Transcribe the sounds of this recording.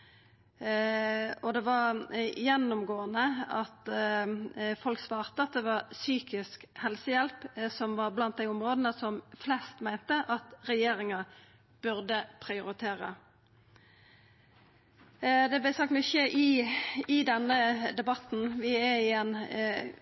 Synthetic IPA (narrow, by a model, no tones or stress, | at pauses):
ɔd̪ɛʋɑɾjɛnːʊmɡoːənəɑt̪ | fɔlksʋɑːʁt̪əɑt̪̚d̪ɛʋɑʁsyːkɪskhɛlsəjɛlpsɔmʋɑɾblɑnt̪̚d̪æɪʊmʁoːd̪nəsɔmflɛst̪mæɪnt̪əʔɑt̪ɾɛjeːɾɪŋɑ | b̥ʉɾd̪əpʰʁɪʊɾɪt̪ʰeːɾə̰ | d̪ɛblæɪsɑk̚t̪mʊçeʔɪɪd̪ɛnːəd̪ɛbɑt̪n̩ʋɪæɪɛn